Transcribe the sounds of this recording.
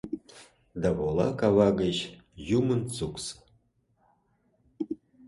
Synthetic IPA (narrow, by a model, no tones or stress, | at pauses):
d̪aβolˠɑ̰kavɑɡəʑjumənt͡suks